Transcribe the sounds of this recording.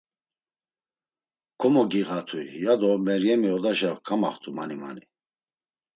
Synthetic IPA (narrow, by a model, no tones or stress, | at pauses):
kʰɔmɔɡiɣat̪ʰujad̪ɔmɛɾjɛmiɔd̪aʃakʰama̰χt̪ʰʼuma̰nima̰ni